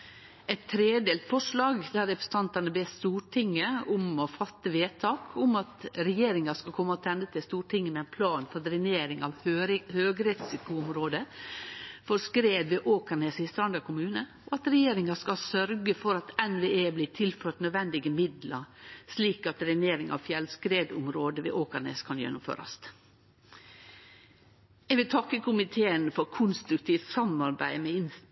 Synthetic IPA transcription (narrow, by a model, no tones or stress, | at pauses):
ɛt̪ʰːɾeːd̪eːlt̪fɔʂɭɑːɡd̪æɾɛpɾə̥s̩n̩t̪ʰɑnt̪ɑnəbeːst̪uːʈʰɪŋːəʊmɔfɑt̪ːəʋeːt̪ʰɑːkʰʊmɑt̪ɾɛjeːɾɪŋɑskɑlkʰɔmːəɔt̪ʰɛnd̪ət̪ʰɪlst̪uːʈʰɪŋːəmɛæɪnpʰlɑːnfɔɾd̪ɾɪneːɾɪŋɑʋhøːɡɾɛsɪkʊʊmɾoːd̪ə | fɔɾskɾeːd̪ʋɛʔoːkənəsɪst̪ɾɑnd̪əɾkʰʊmʉːnə | oɑt̪ɾɛjeːɾɪŋɑskɑsœɾɡəfɔɾɑt̪ɛnʋeːeːbliːt̪ʰɪlføːʈnœd̪ʋɛnd̪ɪɡəmɪd̪lɑɾsliːkɑt̪ɾɛneːɾɪŋɑ̰ʋfjɛlskɾeːd̪ʊmɾoːd̪əʋɛ̰ʔoːkəɳḛːskʰɑnjɛ̰nːʊmfø̰ːɾɑ̰st̪ | ɛɡʋɪlt̪ʰɑkːəkʰʊmɪt̪ʰeːənfɔɾkʰʊnst̪ɾʉk̚t̪ʰiːft̪sɑmɑɾbæ̰ɪmɛɪn